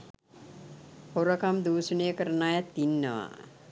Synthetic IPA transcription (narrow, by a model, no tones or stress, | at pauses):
hoɾəkamd̪uːsənəjəkəɾənaːjat̪ːinːəʋa̰